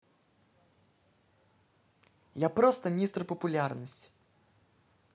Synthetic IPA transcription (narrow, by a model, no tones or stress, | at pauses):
japɾost̪əmʲist̪rpəpʊlʲarnəsʲtʲ